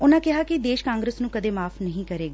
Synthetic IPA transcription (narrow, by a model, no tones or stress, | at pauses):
ʊnãːkɪɦaːkid̪eːʃkãːŋɡɾəsnũːkəd̪eːmaːpʰnəɦĩːkəɾeːɡaː